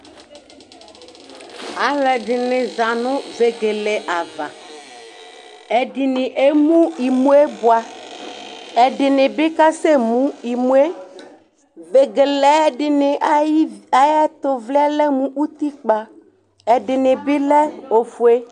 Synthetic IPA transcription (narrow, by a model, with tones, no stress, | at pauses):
a˨lɛ˨ɖɪ˨nɪ̃˨za˨nũ˦ve˨ɡe˨le˨ʔa˨va̰˨ | ɛ˨ɖi˨nɪ̃˨ʔe˦mũ˦i˨mũ˦e˦bu˨a˨ | ɛ˨ɖɪ˨nɪ̃˨bi˦ka˦se˦mũ˦i˨mũ˦e˦ | ve˨ɡe˨le˨ɛ˦ɖɪ˨nɪ̃˨ʔa˨i˦a˨ja˦t̪o˨vli˦a˦lɛ˦mũ˦ʔu˦t̪i˦k͡pa˨ | ɛ˨ɖɪ˨nɪ̃˨bi˦lɛ˦o˨fu˨˦e˦